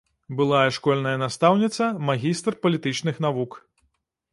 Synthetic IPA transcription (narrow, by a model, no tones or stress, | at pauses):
bɨlˠajɛʂkɔlʲnɐjɐnast̪awnʲit̪sɐmaɣʲist̪rpɐlʲit̪ɨt͡ʂnɨxnavuk